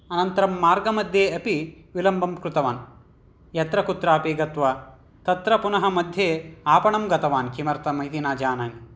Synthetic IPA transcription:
ɐnɐnt̪ɐɾɐmːaːɾɡɐmɐd̪ʱjeːɐpi | ʋilɐmbʱɐmkɾut̪ɐʋaːn | jɐt̪ɾɐkut̪ɾaːpiːɡɐt̪ʋɐ | t̪ɐt̪ɾɐpunɐɦɐmɐd̪ʱjeːaːpɐɳɐmɡɐt̪ɐʋaːnkimɐɾt̪ɐmɐit̪inaːd͡ʒaːnaːni

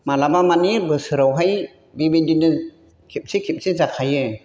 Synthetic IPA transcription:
malabamanibɯsɯɾawɦaj | bibidinɯ | kʰip̚sikʰip̚sizakʰajɯ

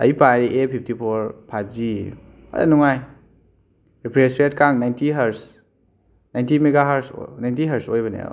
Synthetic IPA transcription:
ɐ̰jpaɾiʔepʰip̚ʰtipʰoɾpʰajp̚ʰzi | a̰a̰nuŋaj | ɾipʰɾesɾetkaŋnajntiɦɐɾs | najntimeɡaɦaɾsnajntiɦɐɾsojbɐnḛ

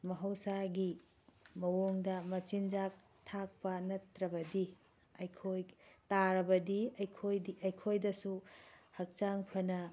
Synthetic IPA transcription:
mɐɦɐwsaɡi | mɐwoŋdɐmɐt͡ʃind͡ʒak̚ | tʰak̚pɐnɐtɾɐbɐdi | ɐjkʰojtaɾɐbɐdiɐjkʰojdiɐjkʰojdɐsuhɐk̚t͡ʃaŋpʰɐnɐ

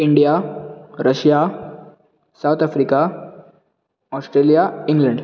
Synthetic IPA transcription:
iɳɖijaɾəɕja | sawt̪ʰafɾika | ɔsʈɾelijaiŋɡləɳɖ

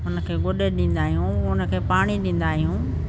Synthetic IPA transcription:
ʊnə̆kʰeːɡʊɗeɗĩːn̆d̪aːɦijũʊnə̆kʰeːpaːɽ̃iɗĩːn̆d̪aːɦijũː

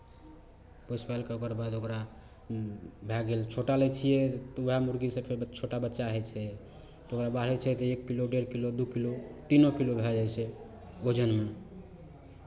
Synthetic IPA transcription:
pospalkeokəɾbad̪okɾa | bʱɛɡelt͡ʃʰoʈalet͡ʃʰijɛt̪uamuɾɡisẽpʰeɾt͡ʃʰoʈabətːʃaɦɛt͡ʃʰɛ | t̪okɾabaɦɾɛt͡ʃʰɛt̪ɔekːiloɖeɾkilod̪ukilot̪inokilobʱɛd͡ʒajt͡ʃʰɛ | od͡ʒənme

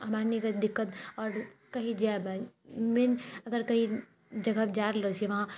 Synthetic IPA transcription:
ɐmanikəd̪ɪkːət̪ɔːɾkɐɦĩd͡ʒebãmenɐɡəɾkɐɦĩ | d͡ʒɐɡəbd͡ʒaːɾlot͡ʃeʋɐɦã

